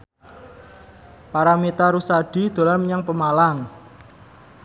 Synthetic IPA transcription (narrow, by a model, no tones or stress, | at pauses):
paɾamit̪aɾusaɖ̥i̤d̪̥a̤laməɲaŋpəmalaŋ